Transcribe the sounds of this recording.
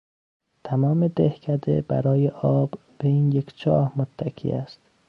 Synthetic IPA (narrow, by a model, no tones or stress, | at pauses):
t̪ʰæmɒːme̞d̪ehcʰæd̪ḛbæ̰ɾɒːjeʔɒːb | beiːnjekt͡ʃʰɒ̰ːhmot̪ʰːækʰḭːæ̰st̪